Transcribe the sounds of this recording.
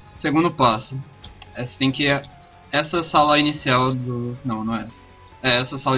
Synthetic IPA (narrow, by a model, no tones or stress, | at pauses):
seɡũnd̪ʊpasʊ | ɛsɪ̥t̪ẽj̃kɪ | ɛsɐsalɐinisiawd̪ʊnɐ̃w̃nɐ̃w̃ɛsɐ̥ | ɛɛsɐsalɐ